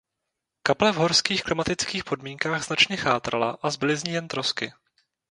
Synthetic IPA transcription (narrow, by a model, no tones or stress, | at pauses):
kaplɛvɦo̞ɾskiːxklɪmat̪ɪt͡skiːxpo̞dmiːŋkaːɣz̥nat͡ʃɲɛxaːt̪ɾalaʔazbɪlɪzɲiːjɛnt̪ɾo̞skɪ